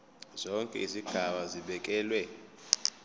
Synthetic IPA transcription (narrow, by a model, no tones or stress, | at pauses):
zɔŋkʼɛ̰iziɡ̥ʱaɓaziɓɛkʼɛːlwɛ